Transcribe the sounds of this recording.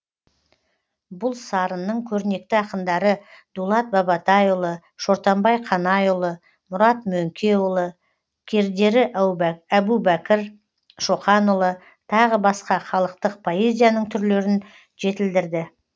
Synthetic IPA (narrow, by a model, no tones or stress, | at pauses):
bʊlˠsɑɾənːəɴkʲʰɵɾne̞k̚t̪ɪɑqənd̪ɑɾəd̪ulˠɑt̪̚bɑbɑt̪ɑjʊlˠə | ʃo̞ɾt̪ɑmbɑjqʰɑnɑjʊlˠə | mʊɾɑt̪mɵŋkʲʰe̞ʊlˠə | kʲʰe̞ɾd̪e̞ɾɪæbubækʲɪɾ | ʃoχɑnʊlˠə | t̪ʰɑʁəbɑsqɑχɑlˠəq̚t̪əq̚pʰo̞e̞zʲijanəɴt̪ʰʏɾle̞ɾɪn | ʒe̞t̪ɪld̪ɪɾd̪ɪ